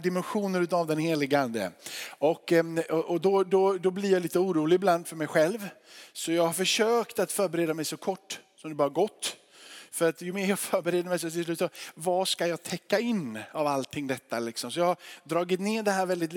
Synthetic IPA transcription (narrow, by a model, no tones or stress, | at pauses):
d̪ɪmɛnɧuːnəɾʉt̪avd̪ɛnheːlɪɡəand̪ə̰ɔkːɔʔɔd̪ɔd̪ɔd̪ɔblɪjaliːt̪əuːɾuːlɪɡɪbland̪fœɾmɛjɧɛlvsɔjɑːɡhaɾfœʂøːkt̪at̪fœːɾbɛɾeːd̪amɛjsɔkʰɔʈːsɔmd̪ɛbɑːɾaɡɔt̪ː | fœɾat̪jɵmeːɾjɑːɡfœːɾbɛɾeːd̪əɾmɛjs̬ɔt̪ɪs̬lʉ̟ːt̪sɔvaʂkajɑːɡt̪ʰɛkːaɪnːavalt̪ʰɪŋːd̪ɛt̪ːa̰lɪksɔmsɔjɑːhaɾɖ̪ɾɑːɡɪt̪neːɖ̪ɛɦæːɾvɛld̪ɪt̪